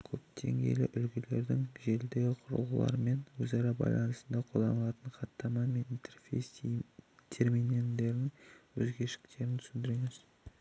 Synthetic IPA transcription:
kʲʰɵpt̪ʰe̞̰ŋɡʲe̞̰jlɪ̰ʔʏlɡʲɪle̞ɾd̪ɪŋʒe̞ld̪e̞ɡʲɪqʰʊɾə̰lˠʁəlˠɑ̰ɾme̞nwɵzɑɾɑbɑ̰jlˠɑnəsənd̪ɑqʰo̞ld̪ɑ̰nəlˠɑt̪əɴqʰɑt̪ːɑmɑnme̞nint̪ʰerfej | t̪ʲʰeɾmijnend̪e̞ɾnɪŋwɵzɡʲe̞ʃɪ̥kt̪e̞ɾɪnt̪ʰʏ̥sɪnd̪ɪɾeŋɪz̥

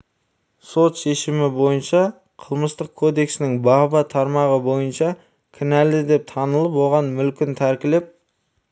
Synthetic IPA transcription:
so̞t̪ʃe̞ʃɪmɪbo̞jənʃɑ | qʰəlˠməst̪əq̚kʰo̞d̪e̞ksɪnɪŋbɑbɑt̪ʰɑɾmɑʁəbo̞jənʃɑ | kʲʰɪnæld̪ɪd̪e̞p̚t̪ʰɑnəlˠəpwo̞ʁɑnmʏlkʲɪnt̪ʰæɾkʲɪlep̚

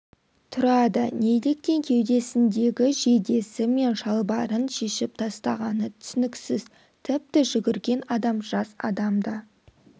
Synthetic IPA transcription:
t̪ʰʊɾɑd̪əne̞jle̞k̚t̪e̞ŋkʲʰe̞wd̪e̞sɪnd̪e̞ɡʲɪʒe̞d̪e̞sɪme̞nʒɑlˠbɑɾənʃe̞ʃɪp̚t̪ʰɑst̪ɑʁɑnət̪ʰʏ̥sɪnɪksɪz̥ | t̪ʰɪp̚t̪ɪʒʏɡʲɪɾɡʲe̞nɑd̪ɑmʒɑsɑ̰d̪ɑmd̪ə

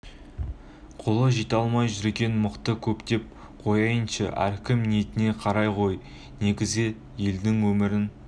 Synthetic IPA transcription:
qʰolˠəʒit̪ɑlˠmɑjʒʏɾɡʲe̞nmʊqt̪əkʲʰɵpt̪e̞p̚ | qʰo̞jɑjənʃɑ̰ʔæ̰ɾkʲɪmnijet̪ɪne̞qʰɑɾɑjqʰo̞j | ne̞ɡʲɪzɪ | jeld̪ɪŋwɵmɪɾɪn

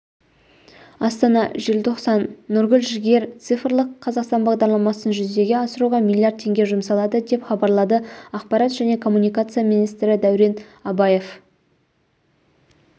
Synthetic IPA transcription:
ɑst̪ɑnɑʒe̞lt̪ʰo̞qsɑnːʊɾɡʲʏlʒɪɡʲe̞ɾt̪sɨfɾlˠəqʰːɑzɑqst̪ɑnbɑʁd̪ɑɾlˠɑmɑsənʒʏzd̪e̞ɡʲe̞ɑsəɾuʁɑmilʲˠːijaɾd̪̚tʰe̞ŋɡʲe̞ʒʊmsɑlˠɑd̪əd̪e̞pχɑbɑɾlˠɑd̪əɑqpɑɾɑt̪ʒ̥æne̞kʰo̞mːunijkat̪sɨjaminijst̪ɾɪd̪æwɾe̞n | ɑbɑje̞f

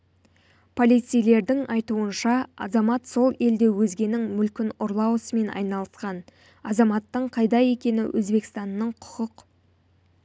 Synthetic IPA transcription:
pʰo̞lijt̪sijle̞ɾd̪ɪŋɑjt̪uənʃɑɑ̰zɑmɑt̪so̞lˠe̞ld̪e̞wɵzɡʲe̞nɪŋmʏlkʲɪnʊɾlˠɑwəsəme̞nɑ̰jnɑlˠəsqɑn | ɑzɑmɑt̪ːəɴqʰɑjd̪ɑje̞kʲe̞nɪ̰wʔɵ̰zbe̞kst̪ɑnːəɴqʰʊ̥qəq

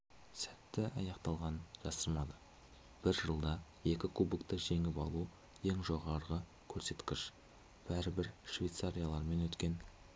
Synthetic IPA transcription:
sæt̪ːɪɑ̰jɑqt̪ɑlˠʁɑnnʒɑsəɾmɑd̪ə | b̥ɪɾʒəlˠd̪ɑje̞kʲɪkʰubɪkt̪əʒe̞ŋɪpɑ̰lˠu | je̞ŋʒo̞ʁɑɾʁə | kʲʰɵɾse̞t̪kʲɪʃ | b̥æɾɪbɪɾʃvʲejt̪saɾijalˠɑɾme̞nwɵt̪kʲe̞n

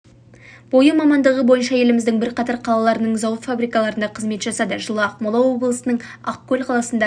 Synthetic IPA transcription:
bo̞jəmɑmɑnd̪əʁəbo̞jənʃɑje̞lɪmɪzd̪ɪŋbɪɾqɑt̪ɑɾqʰɑlˠɑlˠɑɾənəɴzɑwət̪fabɾijkɑlˠɑɾənd̪ɑqʰəzme̞t̪ʒɑsɑd̪əʒəlˠəɑqmolˠɑwo̞blˠəsənəɴɑqkʲʰːɵlʲqʰɑlˠɑsənd̪ɑ

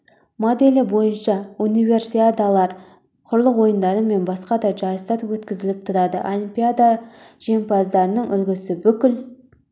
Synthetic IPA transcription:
mod̪e̞lʲɪbo̞jənʃɑunijve̞rsiad̪alˠɑɾ | qʰʊɾlˠəqwo̞jənd̪ɑɾəme̞nbɑsqɑd̪ɑʒɑjsɑt̪wɵt̪kʲɪzɪlɪp̚t̪ʰʊɾɑd̪əʔo̞lˠimpʲijad̪aʒ̥e̞mpɑzd̪ɑɾənəɴʔʏlɡʲɪsɪbʏkʲɪl

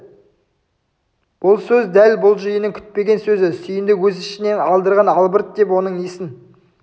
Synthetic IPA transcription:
b̥ʊlˠsɵzd̪ælbʊlˠʒəjənəŋkʲʰʏ̥t̪̚pe̞ɡʲe̞nsɵzɪsʏjɪnd̪ɪwɵzɪʃɪne̞nɑlˠd̪əɾʁɑnɑlˠbəɾt̪̚d̪e̞p̬wo̞nəɴijsɪn

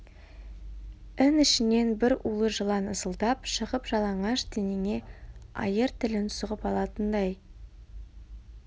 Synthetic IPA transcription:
ɪnɪʃɪne̞nbɪɾulˠəʒəlˠɑnəzəlˠd̪ɑpʃəʁəpʒɑlˠɑɴɑʃd̪eneŋe̞ɑ̰jəɾt̪ʰɪlɪnt̪ʊ̥səʁəpɑlˠɑt̪ənd̪ɑj

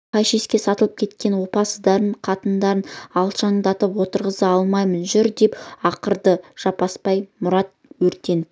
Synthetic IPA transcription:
qʰɑjʃeskʲe̞sɑt̪əlˠəp̚kʲʰe̞t̪kʲe̞nwo̞pɑsəd̪ɑɾəɴqʰɑt̪ənd̪ɑɾənɑlˠʃɑɴd̪ɑt̪əpwo̞t̪əɾʁəzəɑlˠmɑjmənʒʏɾd̪e̞pɑqəɾd̪əʒ̥ɑpɑspɑjmʊɾɑt̪̚wɵɾt̪e̞n

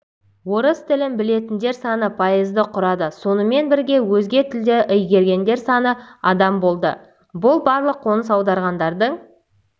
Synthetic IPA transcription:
wo̞ɾəst̪ʰɪlɪnbɪle̞t̪ɪnd̪e̞ɾsɑnəpʰɑjəzd̪əqʰʊɾɑd̪əso̞nəme̞nbɪɾɡʲe̞wɵzɡʲe̞t̪ʰɪld̪eʔʏjɡʲe̞ɾɡʲe̞nd̪e̞ɾsɑnəɑd̪ɑmbo̞lˠd̪ə̰ | bʊlˠbɑɾlˠəqʰːo̞nəsɑwd̪ɑɾʁɑnd̪ɑɾd̪əɴ

